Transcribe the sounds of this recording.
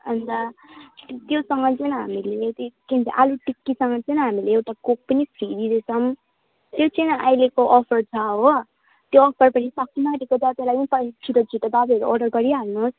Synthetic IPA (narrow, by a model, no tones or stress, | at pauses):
ʌnd̪ʌ | t̪josʌŋɡʌt͡sʌnɦamilet̪ikint̪ḭʔaluʈikːisʌŋɡʌt͡sʌjnɦamileewʈakok̚pʌnipʰrid̪id̪et͡sʰʌm | t̪jot͡sʌjnʌʔajlekoʔɔpʰʌrt͡sʰaɦo | t̪joʌk̚p̪ʌrpʌnipakːinaɾikod͡zat̪elajpʌnpʌt͡sʰiɾʌd͡zʱiʈababiʌɾuʌɖʌrɡʌɾiɦalnus